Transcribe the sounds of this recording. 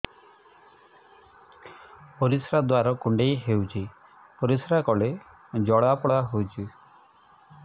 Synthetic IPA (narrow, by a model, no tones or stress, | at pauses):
poɾisɾad̪waɾɔkuɳɖejɦewt͡ʃʰi | poɾisɾakɔɭe | d͡ʒɔɽapɔɽaɦowt͡ʃʰu